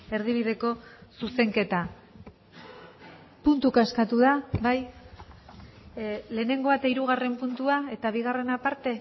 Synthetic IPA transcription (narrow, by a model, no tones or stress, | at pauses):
e̞ɾðiβ̞ið̞e̞ko̞suse̞ŋke̞t̪a | punt̪ukaskat̪uðaβaj | le̞ːne̞ŋɡo̞at̪aiɾuɣ̞are̞mpunt̪uae̞t̪aβ̞iɣ̞are̞napaɾt̪e̞